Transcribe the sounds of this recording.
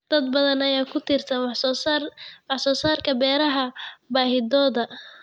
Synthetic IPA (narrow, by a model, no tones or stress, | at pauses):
d̪̥ɐd̪̚bɐðɐnɐjaːkʰʊt̪ʰɪrt̪ʰɐwsrwɑħsɔːsaːrkʰɐbɛːɾɐɦɐbaːɦɪd̪ɔːðɐ